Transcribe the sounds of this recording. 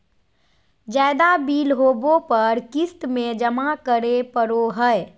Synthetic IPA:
d͡ʒad̪abiːlɦobopəɾkist̪med͡ʒəmakəɾepəɾoɦəe

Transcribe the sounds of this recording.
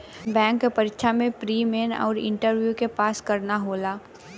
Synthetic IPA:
bɛ̃ːŋkːpɐɾɪkʃʰamẽpɾiːmeːnɔ̰ːɾɪ̰̃ɳʈəɾʋjukepaːskɐɾnaɦoːlaː

